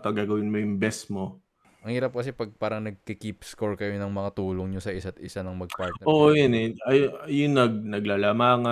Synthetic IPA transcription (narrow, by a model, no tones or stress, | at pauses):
t̪ɐɡaːɡɐwɪnmojʊŋbɛsmo | ɐŋhiːɾɐp̚kɐsɛpɐɡ̚paːɾɐŋnɐɡ̚kikipskoɹkɐjo̞nɐŋmɐŋat̪uːloŋɲosɐʔɪsat̪ʔɪsanɐŋmɐɡ̚paɹt̪nɛʔoʔojʊnɛɐjjʊnːɐɡ̚nɐɡlalɐmaːŋɐ